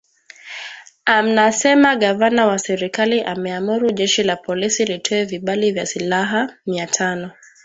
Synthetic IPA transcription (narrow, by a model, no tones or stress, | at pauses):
am̩nasɛmaɠavanawasɛɾikaliʔamɛamuɾuʄɛʃilapɔlisilitʰɔɛviɓalivjasilaɦamiatʰanɔ